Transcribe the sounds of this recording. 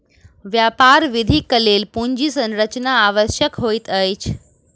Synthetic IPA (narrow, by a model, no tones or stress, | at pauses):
ʋjapaɾʋid̪ʱikəleːlpuɲd͡ʑiːsə̃nɾət͡ɕnaːʋəɕjəkɦojt̪əjt͡ɕ